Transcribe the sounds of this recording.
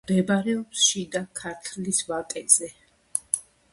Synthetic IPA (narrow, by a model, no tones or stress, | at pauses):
d̪ɛbaɾɛɔpsʃid̪akʰaɾt̪ʰlisvatʼɛzɛ